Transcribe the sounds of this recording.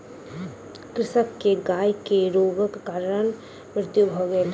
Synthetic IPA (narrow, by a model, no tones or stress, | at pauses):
kɾɪʃəkːeɡaːjkeɾoːɡəkkaːɾən | mɾɪt̪jubʱoɡeel